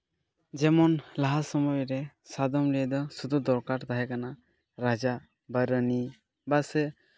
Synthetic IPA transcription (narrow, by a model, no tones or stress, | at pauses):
d͡ʒɛmɔnlaɦasɔmɔjɾɛsad̪ɔmlijɛd̪ɔsud̪ud̪ɔɾkaɾd̪aɦɛkana | ɾad͡ʒa | baɾəni | basɛ